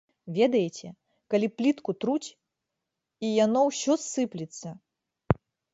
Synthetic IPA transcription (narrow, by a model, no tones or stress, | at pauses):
vʲɛd̪ɐjet͡sʲɛ | kalʲiplʲit̪kut̪ɾut͡sʲ | ijanɔwsʲɔsːɨplʲit̪sːɐ